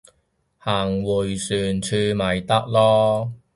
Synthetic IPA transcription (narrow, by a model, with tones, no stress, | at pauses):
haː˨˩ŋwuː˨˩jsyː˨˩nt͡ʃʰyː˧mɐ˨˩jt̪ɐ˥k̚lɔː˥